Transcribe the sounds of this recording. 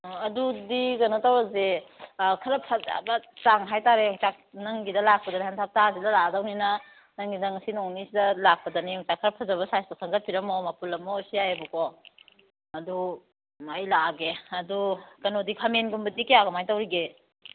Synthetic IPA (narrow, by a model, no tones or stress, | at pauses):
ɐdudiɡɐnotawɾɐze | kʰɐɾɐpʰɐza̰bɐt͡ʃaŋɦajtaɾeaŋt͡ʃak̚nɐŋɡidɐlak̚pɐdɐnihantʰap̚tazilɐladawninɐ | nɐŋɡidɐŋɐsinoŋnisidɐlak̚pɐdɐniɔŋt͡ʃakʰːɐɾɐpʰɐzaβɐsajstaksʰɐŋɡɐt̚pʰiɾɐmomapulɐmosiajabuko | ɐdu | majlaɡeɐdukɐnodikʰamenɡumbɐdikijaɡɐmajtawɾiɡe